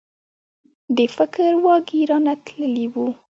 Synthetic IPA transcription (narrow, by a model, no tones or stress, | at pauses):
d̪əfɪkɾwɑɡiɾɑnat̪ləliwu